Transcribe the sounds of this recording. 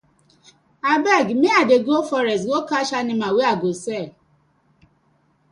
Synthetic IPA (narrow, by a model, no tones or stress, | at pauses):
abɛɡmiadeɡofɔɾɛstwokaʃanɪmaweaɡosɛ